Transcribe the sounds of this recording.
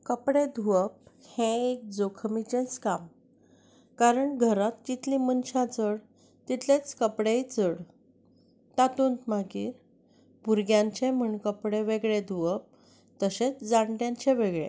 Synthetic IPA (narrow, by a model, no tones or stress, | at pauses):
kəpɽed̪ʱuʋəp̚hẽek̚d͡zokʰmit͡ɕẽt͡skam | kaɾəɳɡʱəɾat̪t͡ɕit̪lĩmənɕãt͡səɽ | t̪it̪ʰlẽt͡skəpɽejt͡səɽ | t̪at̪uːnt̪makiːɾ | buɾɡjãɲt͡ɕẽm̤əɳkəpɽeʋeɡɭed̪ʱuəp̚ | t̪əɕet͡sd͡zaɳʈjãɲt͡ɕẽʋeɡɭḛ̃